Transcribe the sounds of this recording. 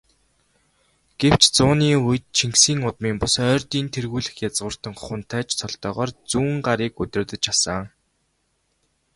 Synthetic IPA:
ɡ̥ew̥t͡ɕt͡sʊːniːuj̆t̪̚t͡ɕʰiŋksiːŋʊt̪miːmpʊsœːrt̪iːnt̪ʰerɣuːɮɘ̆xjat͡sʁʊːr̥t̪ə̆ŋχχʊ̆n̥t̪ʰæːt͡ɕsʰɔɬt̪œːʁɔːrt͡suːŋɢaɾiːkɵt̪ɪ̆t̪ə̆t͡ɕasə̆

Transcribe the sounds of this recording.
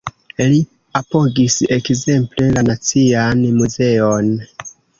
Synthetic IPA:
li | apo̞ɡise̞kze̞mple̞lanat͡sianmuze̞on

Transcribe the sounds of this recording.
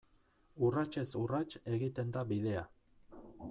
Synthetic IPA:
urat͡ʃe̞surat͡ʃe̞ɣit̪e̞nd̪aβiðe̞a

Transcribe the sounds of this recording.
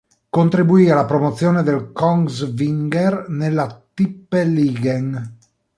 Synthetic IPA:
kont̪ɾibuiːalapɾomot̪sːjoːned̪elkɔŋɡzviŋɡernelːat̪ipːeliːɡeŋ

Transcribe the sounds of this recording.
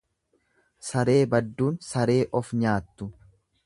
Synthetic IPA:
sɐɾe̞ːbɐd̪ːuːnsɐɾe̞ːʔɔfɲaːt̪ːʊ

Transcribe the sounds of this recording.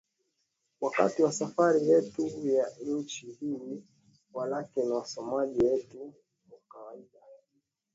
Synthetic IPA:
waka̰tiwasafaɾijɛtujaɲ̩t͡ʃihili | walakɛnawasɔmaʄiwɛtu | wakawaiɗa

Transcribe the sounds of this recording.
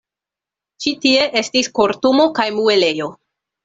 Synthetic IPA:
t͡ʃitie̞ʔe̞stisko̞ɾtumo̞kajmue̞le̞jo̞

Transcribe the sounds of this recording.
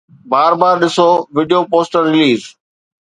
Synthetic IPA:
baːɾbaːɾɗɪsoʋɪɖijoːpoːsʈəɾːɪliːz

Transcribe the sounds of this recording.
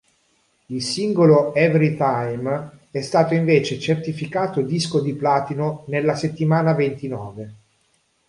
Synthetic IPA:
ilsiŋɡoloɛveɾit̪ajmɛst̪aːt̪oiɱveːt͡ʃet͡ʃert̪ifikaːt̪od̪iskod̪iplaːt̪inonelːaset̪ːimaːnavent̪inɔːve

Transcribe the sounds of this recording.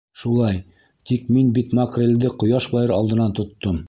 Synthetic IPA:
ʃulˠɑj | t̪ikminbit̪mɑqrʲelʲd̪ɘqŏjɑʃbɑjɤɾɑlˠd̪ɤ̆nɑnt̪ŏt̪ːom

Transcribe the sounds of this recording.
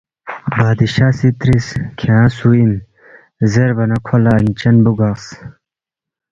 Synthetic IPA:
baːd̪iɕaːsit̪ɾiskʰeãːsuin | zeɾbɐnɐkʰolɐːnt͡ɕɐnbuɡas

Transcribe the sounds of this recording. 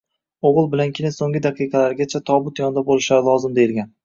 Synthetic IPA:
oʁɨlˠbɪlankʲʰɪnɪsoŋʲɪd̪aqʰɨjqʰɑlaɾɡʲat͡ʃʰat̪ʰɒbʊt̪jɒnd̪abolˠɪʃlaɾɪlˠɒzɪmd̪ejɪlˠɡʲan

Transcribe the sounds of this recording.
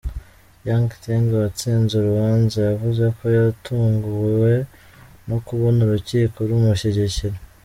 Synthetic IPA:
jaŋɡtiŋɡwat͡siːnzuɾuβaːnzajavuze̞ko̞jaɾtʰuːŋɡuwe̞ | no̞kuβo̞nuɾuciːkoɾumuɕeɟeciɾe

